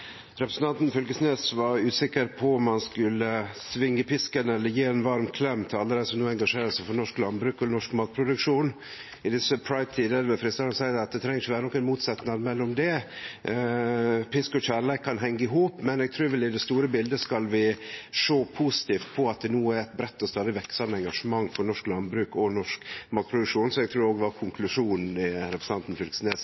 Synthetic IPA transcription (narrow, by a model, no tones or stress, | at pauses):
ɾɛpɾəsn̩t̪ɑnt̪n̩fœlɡəsneːsʋɑɾʉːsɪkːəɾpʰɔʊmːɑnskʉlːəsʋɪŋːəpɪskənɛlːəɾjiːɛnʋɑɾmkʰlɛmːt̪ʰɪlɑlːəd̪æɪsɔmnuːɛŋɡɑʂeːɾəsæfɔɾnɔʂklɑnbɾʉːkɔnɔʂkmɑːt̪̚pʰɾʊd̪ʉkʂuːn | ɪd̪ɪsəpʰɹɑɪt̪ʰiːd̪əɾbəfɾɪst̪ɑɾɑnsæɪd̪ɑt̪̚d̪ɛt̪ʰɾɛŋːəsçʋæːɾənɔkːæɪnmuːt̪sɛt̪nɑd̪mɛlːɔmd̪ɛ | pʰɪskɔçæɾlɛɪkʰːɑnɦɛŋɡəɪɦuːpmɛnɛɡ̚t̪ʰɾuːɾʋɛld̪ɪd̪ɛst̪uːɾəbɪld̪əskɑlʋɪʂoːpʰuːsɪ̥t̪ʰiːft̪̚pʰɔɑt̪̚d̪ɛnuːəæɾɛt̪̚bɾɛt̪ːɔst̪ɑːd̪ɪʋɛkːsɑmːəɛŋɡɑʂəmɑŋːfɔɾnɔʂklɑnbɾʉːkɔnɔʂkmɑːt̪̚pʰɾʊd̪ʉkʂuːnsɔɛɡ̚t̪ʰɾuːɾoːɡd̪ɛʋɑɾkʰʊŋkʰlʉʂuːnnɪɾɛpɾəs̩ɑnt̪n̩fʏlksneːs